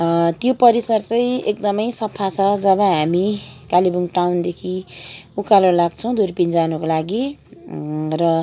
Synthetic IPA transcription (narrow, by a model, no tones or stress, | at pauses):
t̪jopʌɾisʌrt͡sʌĩekd̪ʌmʌjsʌpʰːat͡sʰʌd͡zʌβʌɦamikalibuŋʈawnd̪ekʰiukalolaɡt͡sʰʌw̃d̪urpind͡zanukolaɡi | rʌ